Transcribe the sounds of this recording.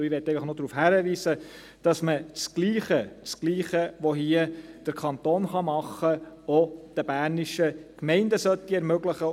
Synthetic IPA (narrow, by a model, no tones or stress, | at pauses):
iʋɛtɛɪfəχnɔd̪ɾuːfhæɾəʋiːsə | d̥ɑsmət͡sɡ̥liːχət͡skliːχəʋɔɦiəd̥əɾkʰɑnt̪oːnχɑmɑχːəod̥əbæːɾniʃəkmɛɪndəsœtːiɛɾmøɡləχə